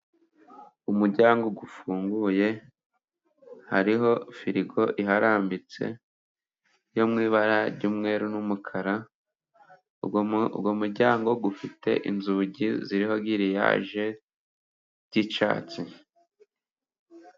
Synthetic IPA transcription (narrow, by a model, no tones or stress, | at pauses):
umuɾɟaːŋɡo̞ɡufuːŋɡuje̞ | haɾiɦo̞fiɾiɡo̞ʔiɦaɾaːmbit͡se̞̰ | jomŋiːβaɾaɾɟuːmŋe̞ːɾunumukʰaɾa | womuɾɟaːŋɡo̞ɡufite̞̰ʔḭnzuɟiziɾiho̞ɡiɾija̰ːʒe̞ | ɾɟit͡ʃa̰ːt͡si